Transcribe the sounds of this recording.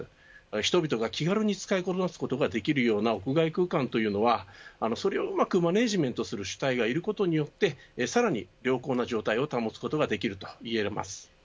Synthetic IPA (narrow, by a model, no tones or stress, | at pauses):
çi̥t̪o̞bʲit̪o̞ɡakʲiɡaɾɯ̟ɲ̟it͡sɨ̥kaiko̞t̪onasɨ̥ko̞t̪o̞ɡad̪e̞kʲiɾɯ̟jo̞ːnao̞kɯ̟ɡaikɯ̟ːkãnt̪o̞jɯ̟ːno̞βaːno̞so̞ɾe̞oɯmakɯ̟mane̞ːʑimẽ̞nt̪o̞sɨɾɯ̟ɕɨ̥t̪aiɡaiɾɯ̟ko̞t̪o̞ɲ̟ijo̞t̪ːe̞saɾaɲ̟iɾʲjo̞ːko̞ːnaʑo̞ːt̪aio̞t̪amo̞t͡sɨ̥ko̞t̪o̞ɡad̪e̞kʲiɾɯ̟t̪o̞̥ie̞ɾma̰sɨ̥